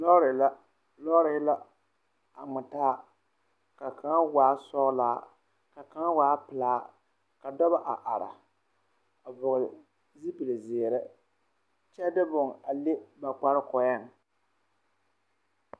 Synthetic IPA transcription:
lɔ˦ɾla˦ | lɔ˦ɾɪ˨˦la˦ | a˨ŋ͡mɪ˨taː˦ | ka˨kʰa˦waː˨˦sɔ˦laː˦ | ka˨ka˦ŋ˦waː˦pɨ˨laː˦ | ka˨dɔ˦ba˦ʔa˨ʔa˨ɾa̰˨ | a˨bʊ˨ɣʊ˨ | zi˦pɨ˨lɨ˨zɪ˨ɾɪ˦ | t͡ʃɛ˦dɨ˦bʊ˨ŋa˨le˦ba˨k͡pa˦ɾɨ˦kɔ˨jɛ˦˨ŋ˨

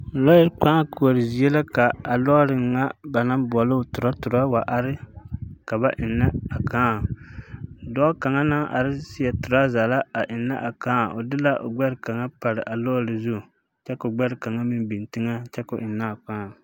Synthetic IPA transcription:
lɔ˦jɪ˦ɾk͡pa˦ka˨ɾɪ˨zi˨ɛ˦la˦ka˨a˨lɔ˦ɾɪː˨a˦ba˨na˦mbʊ˨ɔ˨lʊ˦˨tʊ˨ɾa˦tʊ˨ɾa˦wa˨ʔa˨ɾɪ˦ka˨ba˦ʔɪ˨nːa˦a˨kaː˦˨ | dɔ˦ka˨ŋa˦na˦ʔa̰˨ɾɪ˦sɪ˦jɛ˨tʊ˨ɾa˦za˨la˦a˨ʔɪ˨nːa̰˦ʔa˨kaː˦˨o˨dɪ˦la˦ʔo̰˨ɡ͡bɛ˦ɾɪ˨ka˨ŋa˦pa˨ɾɪ˨ʔa˨lɔ˦ɾɪ˨zʊ˦˨ | t͡ʃɛ˦kʊ˨ɡ͡bɛ˦ɾɪ˨ka˨ŋa˦mɪ˦n˦bi˨n˨tɪ˦ŋa˦t͡ʃɛ˦kʊ˨ʔɪ˨nːa˦˨k͡paː˦˨

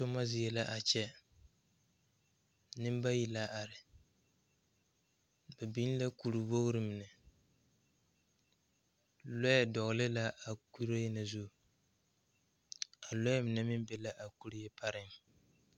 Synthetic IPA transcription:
so˦ma˦zɪ˦jɛ˦la˦ʔa˨t͡ʃɛ˦ | nɪ˦m˦ba˦ji˨la˦ʔa˨ɾɪ˨ | bɛ˨bi˦n˦la˦ku˨ɾu˨bo˦ɣɾɪ˨mɪ˨nɛ˨ | lɔ˦jɛ˨dɔ˨ɣlɪ˦la˦ʔa˨ki˦ɾo˦jɛ˦na˨zu˦˨ | a˨lɔ˦jɛ˦mɪ˨nɛ˦mɪ˦m˦bɛ˦la˦ʔa˨ku˦ɾɪ˦jɛ˦pʰa˦ɾɪ˦m

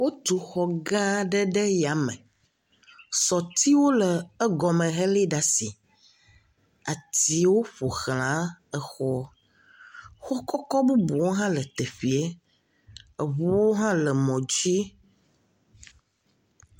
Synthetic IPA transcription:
wo˦t̪u˨xɔ˨ɡã˦ɖə˦ɖɛ˦ja˨mɛ̰̃˨ | sɔ˨t̪i˦wo˦lə˨ə˦ɡɔ˨mə̃˨ɦe˦li˦ɖa˨si˨ | a˨t̪i˨wo˦ɸo˨xl̃ã˨˦ə˨xɔ˦ | xɔ˦kɔ˦kɔ˦bu˦bu˨wo˦ɦã˦lə˨t̪ɛ˨ɸi˨e˦ | ə˨βu˦wo˦ɦã˦lə˨mɔ̃˨d͡ʒi˦

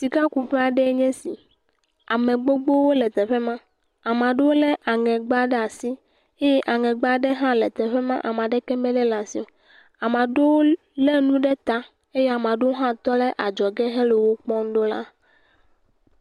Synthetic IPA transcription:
si˨ka˦ku˨ɸɛ˦a˨ɖɛ˦ɲɛ̃˦si˨ | a˨mẽ˨ɡ͡bo˦ɡ͡bo˦wo˦lɛ˨t̪ɛ˨ɸɛ˦mã˦ | a˨mã˨ɖe˦wo˦lɛ˦ʔa˨ŋɛ̃˨ɡ͡ba˦ɖɛ˦a˨si˦ | e˦jɛ˦ʔa˨ŋɛ̃˨ɡ͡ba˦ɖɛ˦ɦã˦lɛ˨t̪ɛ˨ɸɛ˦mã̰˦ʔa˨mã˨ɖɛ˦kɛ˦mɛ̃˦lɛ˦la˨si˨o˨ | a˨mã˨ɖe˦wo˦ | le˦nũ˦ɖe˦t̪a˦ | e˦je˦a˨m˨ã˨ɖe˦wo˦ɦã˦t̪ɔ˦le˦ʔa˨d͡ʒɔ˨ɡɛ˦ɦe˦lo˨wo˦k͡pɔ˦ŋ˦ɖo˦la̰˦

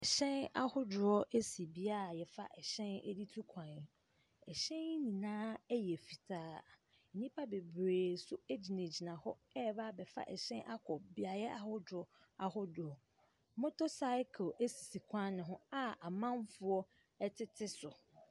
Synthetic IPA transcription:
ɛ˨ɕɛ̃˦na̰˦hʊ˦dʊ˨ɾɔ˦ʔe˦si˨bi˦a˦˨jɛ˨fa̰˦ʔɛ˨ɕɛ̃˦nɛ̰˦di˦tʰu˦kʰã˨n˨ | ɛ˨ɕɛ̃˦n˦nĩ˨nãː˦ɛ˦jɛ˨fi˨tʰaː˦˨ | nĩ˦pʰa˦be˨bɾeː˨sʊ˦e˦d͡ʑi˨ne˨d͡ʑi˨nã˨hɔ˦ɛ˦˨ba˦˨bɛ˨fa̰˦ʔɛ̰˨ɕɛ̃˦nʔa˦kʰɔ˨bi˦a˨jɛ˦ʔa˨hʊ˦dɾɔ˦ | a˨hʊ˦dʊ˨ɔ˨˦ | mʊ̃˦tʰo˦sa˦ɪ˦kʰe˦si˨si˨kʷʰã˦nɪ̃˨ɦʊ̃˦a˦a˨mã˦nfʊ˦ɔ˦ | ɛ˦tʰɪ˦tʰɪ˦sʊ˨

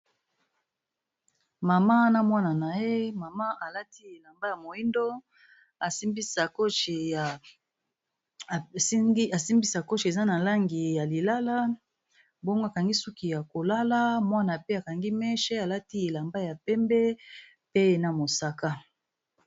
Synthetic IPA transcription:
ma˨ma˦na˦mwa˦na˨na˨je˦ma˨ma˦ʔa˨la˦ti˦e˨la˨mba˦ja˨mo˨i˦ndo˦ | a˨si˦mbi˦sa˨ko˦ʃ | a˨si˦mbi˦sa˨ko˦ʃi˨e˨za˦na˨la˦ŋɡi˨ja˨li˨la˦la˦ | bo˦ŋɡa˨ka˨ŋɡi˦su˦ki˨ja˨ko˨la˦la˦mwa˦na˨pe˦a˨ka˨ŋɡi˦mɛ˦ʃɛ˦a˨la˦ti˦e˨la˨mba˦ja˨pɛ˦mbɛ˦ | pe˦˨na˨mo˨sa˨ka˦

